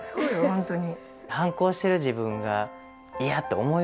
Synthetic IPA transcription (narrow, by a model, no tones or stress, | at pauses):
soːjohõnt̪oɲ̟i | hãŋko̞ːɕi̥t̪e̞ɾɯ̟ʑibɯ̟̃ŋɡa | iat̪ːo̞omo̞